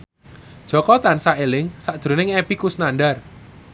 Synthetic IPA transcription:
d̥ʒ̥ɔ̤kɔt̪ansaelɪŋsaʔʒ̥ɾonɪŋepikusnanɖar

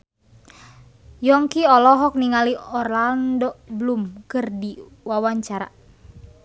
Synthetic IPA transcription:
jɔŋkiɔlɔɦɔk̚niŋaliɔrlandɔblumkɨrdiwawaɲt͡ʃaɾa̰

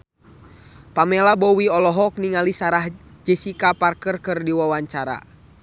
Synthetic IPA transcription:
pamɛlabɔwiɔlɔɦɔk̚niŋalisaɾahd͡ʒəsikaparkərkɨrdiwawaɲt͡ʃaɾa̰

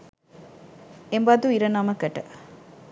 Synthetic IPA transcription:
embɐd̪uiɾɐnamɐkɐʈə

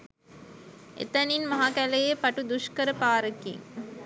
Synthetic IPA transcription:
ʔḛt̪ɐninmɐɦakælejepaʈud̪uʂkəɾəpaːɾəkḭŋ

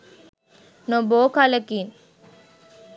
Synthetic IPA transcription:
noboːkaləkin

